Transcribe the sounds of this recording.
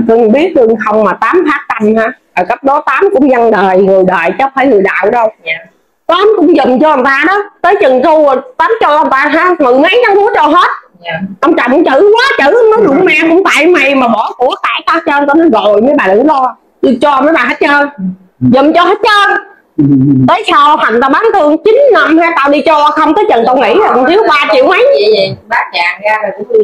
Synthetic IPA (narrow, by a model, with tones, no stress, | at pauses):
t̪ɨ˧ŋɓi˦˥ət̚tɨ˧əŋxə˧wŋ͡mmaː˨˩t̪aː˨˦mfaː˦˥k̚t̪a˧mhaː˨˧˦ʔəː˨˩kə˦˥p̚ɗɔ˨˦t̪aː˨˦mkʊ̰˧˥ŋ͡mzə˧ŋɗəː˨˩jŋɨ˨˩əjɗəː˨˩jt͡ɕɔ˨˦faː˧˩jŋɨ˨˩əjɗa̰ː˧˨wɗə˧w | k̪ɔ˧˦ʔa˨˦mkʊ̰˧˥˦ŋ͡mzə˨˩mt͡ɕɔ˧ʔə˨˩nt̪aː˧ɗɔ˨˦t̪əː˨˦jt͡ɕɨ˨˩ŋt̪ʊ˧˨˩t̪aː˨˦mt͡ɕɔ˧ʔnt̪aː˧ɦaː˨˦˥mɨ˨˩ma˨˦jta˨˦ŋɗu˧˦t͡ɕɔ˧˩ɦheː˦˥t̚ | ʔə˧wŋ͡mt͡ɕɔ̰˨˩wŋ͡mkʊ̰˧˥˦ŋ͡mt͡ɕɨ̰˧˩waː˨˦t͡ɕɨ˧˩˧wŋ͡mnɔ˨˦jɗʊ˨˩˨ŋ͡mmaː˧kʊ̰˧˥ŋ͡mt̪a̰ː˧˨jma˨˩jmaː˨˩ɓɔ˧˩ku˧˩ət̪a̰ː˧˩jt̪aː˧˩t͡ɕəː˧nt̪ɔ˧nə˨˦ɣɔ˨˩jməː˨˦jɓaː˨˩ɗɨ̰˧˦lɔ˧ | ɨ˧t͡ɕɔ˧ʔmnəː˨˦jɓaː˨˩ɦa˦˥t̚t͡ɕəː˧n | zə˨˩mt͡ɕɔ˧ɦə˦˥t̚t͡ɕəː˧n | t̪əː˨˦jsaː˧whwa˨˩t̪aː˧˩wɓaː˨˦nt̪ʰɨ˧əŋt͡ɕi˨˦nnə˧mhaː˧jt̪aː˧wɗi˧t͡ɕɔ˧xə˧wŋ͡mt̪əː˨˦jt͡ɕə˨˩ŋt̪ə˧wŋḭ˧˥ɔ˨˩kŋ͡mt̪ʰi˨˦əwɓaː˧t͡ɕḭ˧˨əwʔa˨˦ja˨˦t͡ɕaː˨˩ŋaː˧˨˩kʊ̰˧˦˧